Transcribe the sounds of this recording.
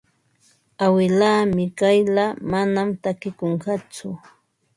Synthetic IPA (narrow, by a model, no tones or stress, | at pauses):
awɪlaːmɪkajlamanamt̪akɪkoɴɢɑt͡sʊ